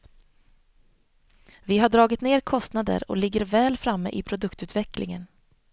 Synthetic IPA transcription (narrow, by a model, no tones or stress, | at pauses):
vɪɦaɖɾɑːɡɪt̪neːɾkʰɔst̪nad̪ə̰ɾɔ̰lɪɡːəɾvɛːlfɾamːə̰ʔɪpʰɾʊd̪ɵkt̪ʉ̟ːt̪vɛklʔɪ̰ŋən